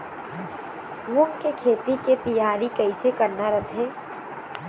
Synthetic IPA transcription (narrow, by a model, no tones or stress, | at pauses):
mʊŋkekʰeːt̪iket̪ɐjaːɾikɐisekɐɾnaɾɐt̪ʰeː